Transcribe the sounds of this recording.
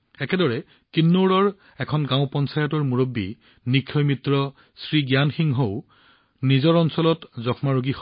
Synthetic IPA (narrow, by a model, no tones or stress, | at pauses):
ɛkɛdɔɹɛ | kinːoɹɔɹ | ɛkʰɔnɡãʊ̃pɔnsajɔtɔɹmuɹobːḭ | nikʰːɔjmitɹɔ | sɹiɡjanxiŋɦoʊ | nizɔɹɔnsɔlɔtzɔxʰmaɹoɡix